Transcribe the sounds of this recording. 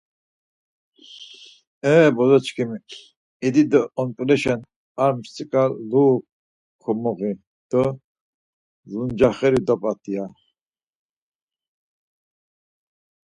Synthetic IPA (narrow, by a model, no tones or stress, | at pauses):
ɛːbɔd̪ɔt͡ʃkʰimi | id̪id̪əɔnt̪ʼlɛʃɛn | aɾmst͡sʼikʼaːuːp̚ | kʰɔmɔɣi | d̪̥ə | zund͡ʒaχɛɾid̪ɔpʼat̪ʰʼia